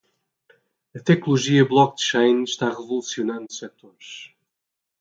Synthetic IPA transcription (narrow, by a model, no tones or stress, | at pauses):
ɐt̪ɛknlulˠuʒiɐblˠɔk̚d̪ʃejnʃt̪aʁɨvulˠusiunɐ̃nd̪usɛt̪oɾʃ